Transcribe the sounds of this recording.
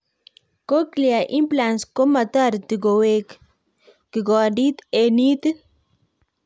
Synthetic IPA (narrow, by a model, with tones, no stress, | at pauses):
ko˦klia˨ʔi˦mplansko˦ma˨t̪a˦ɾt̪i˨ɡowek | ki˨ɡɔ˨di˦t̪e˨ni˦t̪